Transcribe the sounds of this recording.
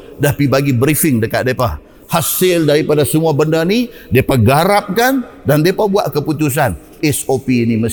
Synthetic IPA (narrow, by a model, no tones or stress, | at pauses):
dahpibaɡibɾifɪŋdəkat̪̚depa | hasɪldaɾipadasəmuabəndani | depaɡaɾap̚kandandepabua̰ʔkəput̪us̬an | ɛsopiniməs